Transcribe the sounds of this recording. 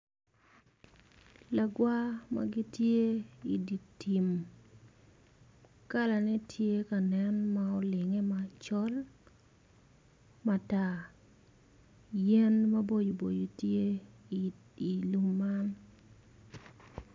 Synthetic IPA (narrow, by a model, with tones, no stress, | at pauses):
la˨ɡwa˦ma̰˨ɡɪ˦tje˦i˨di˨ti˨m | ka˦la˨nɛ˦tʰje˦ka˨nɛ˦nma˦ɔ˦lɪ˨ŋɛ˦ma˨t͡ʃɔ˦l | ma˨ta˨ | jɛ˦nma˦bo˦jo˨bo˨jo˨tje˦ | i˨lu˦mːa˦n